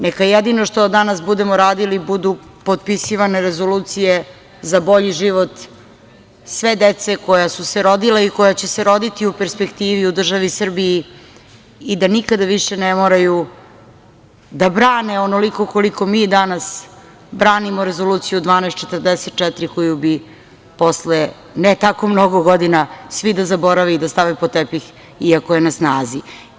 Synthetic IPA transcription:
nekajed̪inoʂt̪od̪anasbud̪emoɾaːd̪ilibud̪u | po̞t̪̚pisiʋane̞ɾezo̞luːt̪sije | zabo̞ʎiʒiʋot̪ | sʋe̞d̪et̪se̞ko̞jasuseɾo̞d̪ilaiko̞jat͡ɕeseɾo̞d̪it̪iupeɾspe̞kt̪iːʋiud̪r̩ʒaʋisr̩bijiː | d̪anikad̪aʋiʃenemoːɾaju | d̪abɾaːneonoliko̞koliko̞miːd̪anas | bɾaːnimoɾezo̞luːt̪sijud̪ʋaːnɛst̪̚t͡ʃe̞t̪rd̪ɛset̪̚t͡ʃɛt̪ɾikojubi | po̞sle | net̪ako̞mno̞ɡoɡod̪inasʋid̪azabo̞ɾaʋiːd̪ast̪aʋepot̪epix | iako̞je̞nasnaːzi

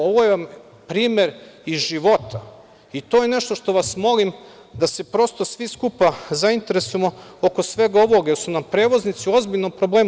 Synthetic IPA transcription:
oʋojeʋam | pɾiːmjeɾizʒiʋo̞t̪ʰa | it̪o̞ːjene̞ʃt̪oʃt̪o̞ʋasmo̞lim | d̪ase̞pɾo̞st̪o̞sʋiskupazaint̪e̞ɾesujemooko̞sʋe̞ɡao̞ʋo̞ɡjeɾsunampɾe̞ːʋo̞znit̪sio̞zbiʎnopɾobleːm

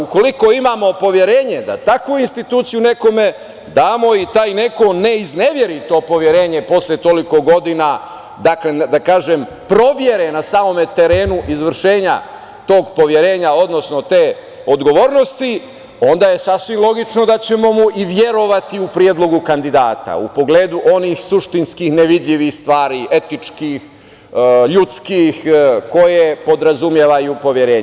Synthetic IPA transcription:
uko̞liko̞imaːmo̞po̞ʋje̞ɾe̞ːɲe̞d̪a̰t̪akʋuinst̪it̪uːt̪sijune̞ko̞me̞ | d̪aːmo̞it̪aːjne̞ko̞ne̞izne̞ʋje̞ɾit̪o̞ːpo̞ʋje̞ɾe̞ːɲe̞po̞sljet̪o̞liko̞ɡo̞d̪ina | d̪akle̞d̪akaːʒem | pɾo̞ʋje̞ɾenasaːmo̞me̞t̪e̞ɾe̞ːnuʔizʋr̩ʃe̞ːɲa̰ | t̪o̞ːɡpo̞ʋje̞ɾe̞ːɲao̞d̪no̞sno̞t̪e̞ː | od̪ɡo̞ʋoːɾno̞st̪i | o̞nd̪aje̞sasʋimlˠo̞ɡit͡ʃno̞d̪at͡ɕe̞mo̞muʔiʋje̞ɾo̞ʋat̪iupɾie̞d̪lo̞ɡukand̪id̪aːt̪a̰ṵpo̞ɡle̞ːd̪uʔo̞nixsuʃt̪inskixneʋid̪ʎʲiʋixst̪ʋaːɾiʔe̞t̪it͡ʂkix | ʎut̪skixko̞jepo̞d̪ɾazumje̞ʋajupo̞ʋje̞ɾe̞ːɲ

